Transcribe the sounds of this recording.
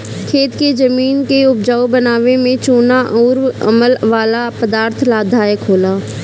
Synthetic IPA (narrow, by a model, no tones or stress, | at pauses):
kʰeːt̪ked͡ʒəmiːnkeʊp̚d͡ʒaːobənaːʋemẽt͡ʃoːnaʔɔːɾə̰məlʋaːlapəd̪aːɾt̪ʰlaːd̪ʱaːekʰoːlaː